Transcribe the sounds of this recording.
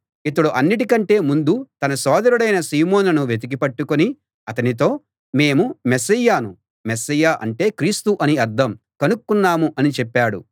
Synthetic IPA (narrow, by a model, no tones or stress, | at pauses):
it̪̬ɐɽuʔɐnːiʈ̬ikɐɳʈe̞ːmund̪ut̪ɐnɐsɔːd̪ɐɾuɽɐjnɐsiːmoːnɐnuʋet̪̬ik̬ipɐʈːukoni | ɐt̪ɐnit̪o̞ː | me̞ːmumesɐjːaːnu | mesɐjːaːʔɐ̰ɳʈe̞ːkɾiːst̪uʔɐniɐɾd̪ʱɐm | kɐnukːunːaːmuʔɐnit͡ʃɛpːaːɽṵ